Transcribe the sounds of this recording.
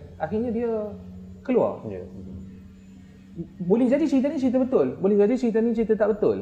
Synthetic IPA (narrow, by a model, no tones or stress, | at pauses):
axirɲadiəkəlua̰rja̰ | bolɪhd͡ʒadit͡ʃəɾit̪ənit͡ʃəɾit̪̬əbət̪ʊlbolɪhd͡ʒadit͡ʃəɾit̪̬ənit͡ʃɾit̪ət̪aʔbət̪ʊl